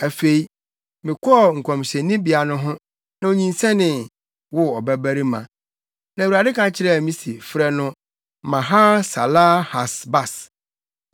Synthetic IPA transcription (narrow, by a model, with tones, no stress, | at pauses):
æ˨fe˨i˦ | mɪ̃˨kʰʷɔ˦ɔ˦˨ŋ̩˨kʰɔ̃˨mɕɛ̃˨nĩ˦bi˨a˨nʊ̃˦ɦʊ̃˦ | nã˨o˨ɲĩ˨nsɛ̃˦nɪ̃˨ | wʊ˦ɔ˨bæ˦bæ˦ɾi˦mã̰˨ | nã˨wu˨ɾa˨dɪ˦kʰã˨˦t͡ɕʰɪ˦ɾɛ˦˨mĩ˦si˨fɾɛ˦nʊ̃˦ | mã˨ɦa˦sa˨laː˦ha˨sba˨s